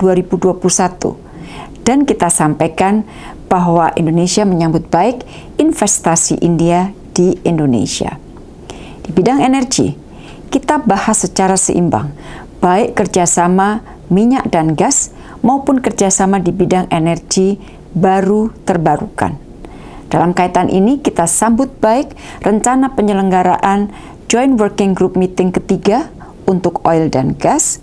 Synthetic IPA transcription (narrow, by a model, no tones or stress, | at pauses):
d̥uaɾibuduapulusat̪ṵ | d̥ankit̪asampajkan | b̥aɦwaʔindonesiaməɲambʊt̪̚baɪk | infɛst̪asḭʔindia | d̥iindonḛsia̰ | d̥ibidaŋenɛrɡḭ | kit̪abahasət͡ʃaɾasə̰ʔḭmba̰ŋ | b̥aɪʔərd͡ʒasama | miɲaʔ̚danɡas | maupʊnkərd͡ʒasamadibidaŋenɛrɡi | baɾut̪ərbaɾṵka̰n | d̥alamkait̪anʔḭnikit̪asambʊt̪̚b̥aɪk̚ | rəɲt͡ʃanapəɲələŋɡaɾa̰ʔan | d͡ʒɔjnwərkɪŋɡɾup̚mit̪ɪŋkət̪iɡa | unt̪ʊkoildanɡas